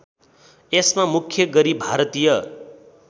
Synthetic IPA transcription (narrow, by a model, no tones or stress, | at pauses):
esmamukʰjʌɡʌɾibʱaɾʌt̪ijʌ